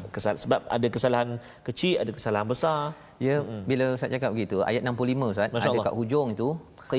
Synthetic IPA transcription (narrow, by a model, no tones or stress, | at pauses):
kəsasəbap̚a̰dakəsalaɦan | kət͡ʃiʔadakəsalaɦanbəsar | jəbilasat̪̚t͡ʃakap̚bɡəɡit̪ua̰jat̪̚nãmplulimə̃sat̪mãʃldaka̰ʔhud͡ʒɔŋit̪u | k